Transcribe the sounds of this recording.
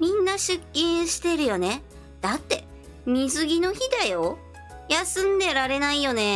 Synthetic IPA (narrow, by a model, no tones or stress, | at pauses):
mʲĩnːaɕɨkʲːĩɰ̃ɕi̥t̪e̞ɾɯ̟jo̞ne̞ | d̪̥at̪ːe̞ | mʲizɨɡʲino̞çid̪ajo̞ | jasɨ̃nd̪e̞ɾaɾe̞naijo̞ne̞